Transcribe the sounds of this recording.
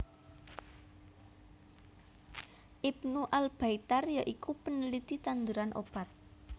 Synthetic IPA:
ʔibnuʔalb̥ait̪arjaʔikupənəlit̪it̪and̪uɾanʔo̰b̥a̤t̪̚

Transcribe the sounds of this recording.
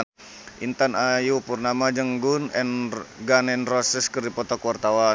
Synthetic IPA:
ʔint̪anajupurnamad͡ʒəŋɡunɛnɡanɛnrɔsɛskərdipɔt̪ɔkwart̪awa

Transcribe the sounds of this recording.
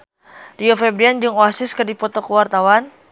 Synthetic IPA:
riɔfɛbɾiand͡ʒɨŋoasɪskərdipɔt̪ɔkəwart̪awan

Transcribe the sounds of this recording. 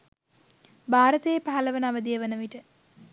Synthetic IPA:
baːɾət̪əjepaɦɐləʋənaʋəd̪ijəʋənəʋiʈə

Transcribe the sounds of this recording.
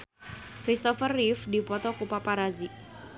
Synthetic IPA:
kɾist̪ɔfərːifdipɔt̪ɔkupapaɾazi

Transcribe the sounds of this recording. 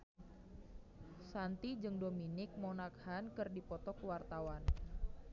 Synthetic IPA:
sant̪id͡ʒɨŋdominɪk̚monak̚hankɨrdipɔt̪ɔkəwart̪awan

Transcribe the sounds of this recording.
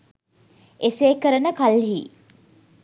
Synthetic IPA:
eseːkəɾənəkalɦḭː

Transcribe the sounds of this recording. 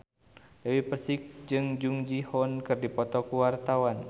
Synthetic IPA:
dəwipəsik̚d͡ʒɨŋd͡ʒuŋd͡ʒihɔnkɨrdipɔt̪ɔkuwart̪awan

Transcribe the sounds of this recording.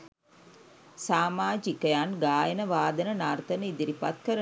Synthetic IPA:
saːmaːd͡ʒikəjanɡaːjənəʋaːd̪ənənart̪ənəid̪iɾipat̪̚kəɾə

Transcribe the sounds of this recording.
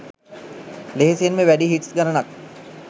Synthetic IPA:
leɦesejenmeʋæɖiɦiʈsɡanənak̚

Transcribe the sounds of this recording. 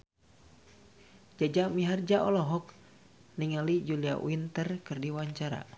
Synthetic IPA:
d͡ʒad͡ʒamiɦard͡ʒaʔɔlɔɦɔk̚ | niŋalid͡ʒulia̰ʔw̰int̪ərkɨrdiwaɲt͡ʃaɾa̰

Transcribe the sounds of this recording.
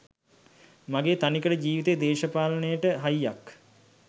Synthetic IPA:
maɡeːt̪anikəʈəd͡ʑiːʋit̪ed̪eːʃəpaːlənəjəʈəɦajjak

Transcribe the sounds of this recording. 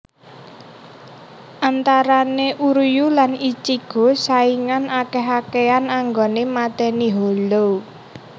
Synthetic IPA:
ʔant̪aɾaneʔuɾjulanit͡ʃiɡ̥ɔ̤saiŋanakeɦakeanaŋɡonemat̪ɛniɦolo

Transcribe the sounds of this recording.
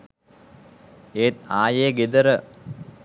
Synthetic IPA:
eːt̪̚aːjeːɡed̪əɾə

